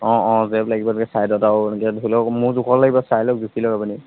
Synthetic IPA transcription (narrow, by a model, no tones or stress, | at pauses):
ɔ̃ɔ̃zɛblaɡibadkɛsajdɔtankɛdukʰilɔkmuɹzukʰɔɹlaɡibasajlɔk̚dukʰilɔkapuni